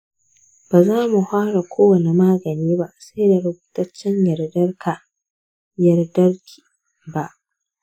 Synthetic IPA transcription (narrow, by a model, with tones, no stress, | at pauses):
b̥aː˨zaː˦mu˨haː˦ɽa˨kʷoː˦wɐ˨ne˨maː˦ɡɐ˨niː˦ba˦ʔsa˦jda˨ɽɪ˦buː˦tɐ˦t͡ʃːɛ˦ɲjɐ˨rdɐ˦rkʰa˨ | jɐ˨rdɐ˦rkʲi̥ː˨ | ba˦˨ʔ